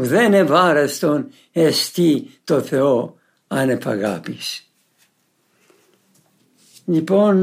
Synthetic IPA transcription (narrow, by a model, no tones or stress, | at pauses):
uðɛnɛvaɾɛst̪ɔn | ɛst̪it̪ɔθɛɔ | anɛpa̰ɣa̰pis | dipɔn